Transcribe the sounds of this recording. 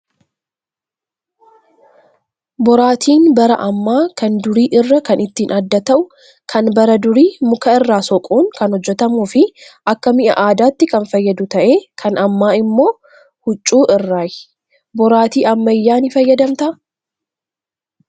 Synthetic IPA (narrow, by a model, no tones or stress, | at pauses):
bɔɾaːt̪ʰiːnbɐɾɐ̰ʔɐmːaːkɐnd̪ʊɾiːʔɪrːɐkɐnɪt̪ːɪːnʔɐd̪ːɐt̪ɐʔʊ | kʰɐnbɐɾɐd̪ʊɾiːmʊkɐɪrːaːsɔkʼuːŋkɐnhɔd͡ʒːɛt̪ɐmuːfɪʔɐkːɐmɪʔɐ̰ʔaːd̪aːt̪ːɪkɐnfɐjːɐd̪ʊt̪ɐʔe̞ːkʰɐnɐmːaːɪmːo̞ː | hʊt͡ʃʼːuːʔɪrːaːj | bɔɾaːt̪iːɐmːɐjːaːnɪfɐjːɐd̪ɐmt̪ɐʔ